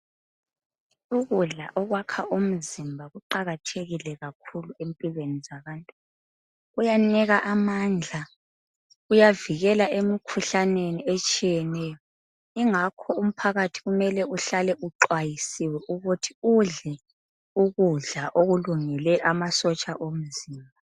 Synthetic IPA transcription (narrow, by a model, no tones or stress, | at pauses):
uɣuɮa̰ʔɔɣwakʰaʔum̩zimbʱaɣuǃaɣatʰeɣilɛɣakʰuluempʼilwenizaβaːntʼu | ujaniɣaʔamand͡ɮʱa | ujaviɣɛlaʔemikʰuɬaneniet͡ʃʼijɛnɛjɔ | iŋakʰɔum̩pʰaɣatʰi̥ɣumɛlɛuɬalɛʔuǃwajisiwɛʔuɣutʰiuɮɛ | uɣuɮaʔoɣuluŋilɛʔamasɔt͡ʃʼaʔom̩ziːmbʱa